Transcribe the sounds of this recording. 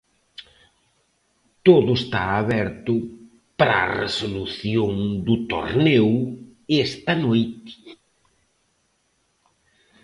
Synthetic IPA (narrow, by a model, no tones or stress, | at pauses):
t̪oðʊest̪a̰aβɛɾt̪ʊ | pɾa̰rḛsoluθjoŋd̪ʊt̪o̰ɾnɛw | ɛst̪ɐnojt̪ɪ̥